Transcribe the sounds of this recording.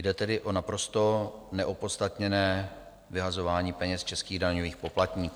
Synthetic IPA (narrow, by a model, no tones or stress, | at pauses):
jdɛt̪ɛdɪʔo̞napɾo̞st̪o̞nɛʔopot̪st̪at̪ɲɛnɛː | vɪɦazo̞vaːɲiːpɛɲɛst͡ʃɛskiːɣdaɲoviːxpo̞plat̪ɲiːkː